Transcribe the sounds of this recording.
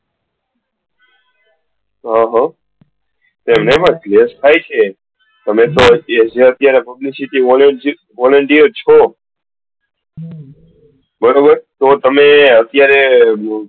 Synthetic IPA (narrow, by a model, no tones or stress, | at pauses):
ɦãɦə̃ | t̪emnepəɳklest̪ʰajt͡ʃʰe | t̪əmẽt̪od͡ʒeət̪jaɾepəblisiʈiʋɔləɳ | ʋɔləɳʈiəɾt͡ʃʰo | bəɾobəɾt̪ot̪əmeət̪jaɾe